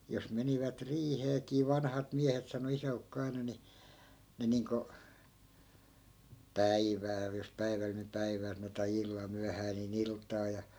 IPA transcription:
jos meniʋæt riːheːkiː ʋɑnhɑt miæhet sɑno isæukːo ɑinɑ ni ne niːŋko pæiʋæːl jos pæiʋæl ni pæiʋæː sɑno tɑi ilːɑl myæhæː niːn iltˑɑː jɑ

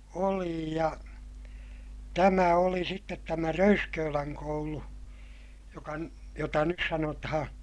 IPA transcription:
oli jɑ tæmæ oli sitːet tæmæ røyskøːlæŋ koulu jokɑn jotɑ nyt sɑnotɑhɑ̃ː

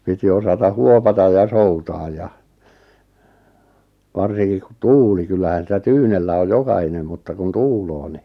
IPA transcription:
piti osɑtɑ huopɑtɑ jɑ soutɑːj jɑ ʋɑrsiŋkik ku tuːli kylːæhæn sitæ tyːnelːæ oj jokɑhinem mutːɑ kun tuːloː ni

